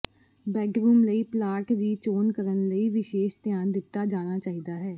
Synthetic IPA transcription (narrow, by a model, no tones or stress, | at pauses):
bɛːkɾuːmləiːplaːʈd̪iːt͡ʃoːnkəɾənləiːʋɪʃeːʃt̪ɪjaːnd̪ɪt̪ːaːd͡ʒaːnaːt͡ʃaːɦid̪aːɦɛː